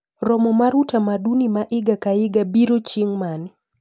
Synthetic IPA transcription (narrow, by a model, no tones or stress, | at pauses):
ɾɔmɔmaɾutamadunimaʔɪɡakaɪɡabiɾot͡ʃɪŋman